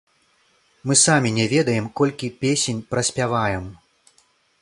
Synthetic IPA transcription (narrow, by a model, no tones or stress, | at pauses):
mɨsamʲinʲɛvʲɛd̪ɐjɛmkɔlʲkʲipʲesʲenʲpɾɐsʲpʲavajɛm